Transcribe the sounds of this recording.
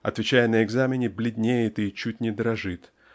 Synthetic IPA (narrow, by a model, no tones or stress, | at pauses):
ɐ̰t̪vʲɪt͡ɕæjənəɪɡzamʲɪnʲɪblʲɪd̪ʲnʲejɪt̪ɨt͡ɕut̚ʲnʲɪd̪ɾɐʐɨt̪